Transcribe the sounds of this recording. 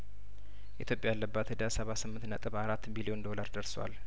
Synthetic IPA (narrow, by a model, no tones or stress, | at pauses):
ʔit̪ʰjo̞pʼjajalːəbːat̪əd̪asəβasɨmːɨnt̪nət̪ʼɨβaɾat̪ːbilio̞nd̪o̞laɾd̪əɾswa̰l